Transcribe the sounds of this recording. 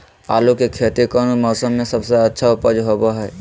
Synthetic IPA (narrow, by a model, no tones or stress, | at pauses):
a̰ːlukekʰeːt̪ekənumɔːsəmːẽsəbseətːʃʰaʊpəd͡ʒɦoboɦɛː